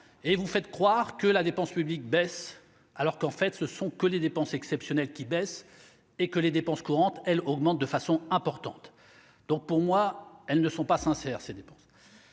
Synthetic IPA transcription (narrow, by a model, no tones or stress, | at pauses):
evufɛt̪kχwaʁkəlad̪epɑ̃spyblik̚bɛs | alɔʁkɑ̃fɛt̪səsɔ̃kəled̪epɑ̃sɛksɛpsjɔnɛlkʲibɛs | ekəled̪epɑ̃skuʁɑ̃t̪ɛlɔɡmɑ̃t̪̚d̪əfasɔ̃ɛ̃pɔʁt̪ɑ̰̃t̪ | d̪̥ɔ̃k̚puʁmwaɛlnəsɔ̃pasɛ̃sɛːʁsed̪epɑ̃s